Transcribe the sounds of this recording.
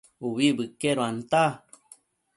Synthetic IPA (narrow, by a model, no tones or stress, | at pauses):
uβibɨkeɾoant̪a